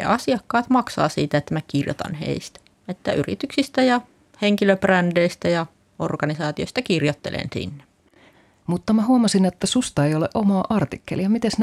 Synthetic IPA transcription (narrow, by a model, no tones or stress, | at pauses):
ɑsiɑkːɑːt̪mɑksɑ̰ːsiːt̪æet̪ːæmækirjo̰t̪ɑ̰nhḛist̪æ̥ | et̪ːæyrḭt̪yksist̪æjɑ | heŋkiløprændeist̪æjɑ | orɡɑnisɑːt̪ioist̪ɑkirjot̪ːelḛnsḭnːe | mut̪ːɑmæɦuɑmɑsinet̪ːæsust̪ɑejo̞leʔo̞mɑːʔɑrt̪ikːḛlijɑmit̪esn